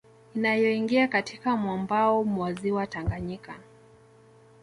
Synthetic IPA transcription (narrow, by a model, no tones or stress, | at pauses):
inajɔiŋɡiakatʰikamwambaɔmwaziwataŋɡaɲika